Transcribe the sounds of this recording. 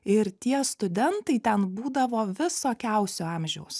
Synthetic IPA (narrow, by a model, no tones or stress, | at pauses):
ɪɾt̪ʲiɛst̪ʊd̪ʲɛnt̪ɐɪt̪ʲɛnbuːd̪ɐʋoːʋʲɪsoːkʲæˑʊsʲoːɑmʲʒʲɛʊs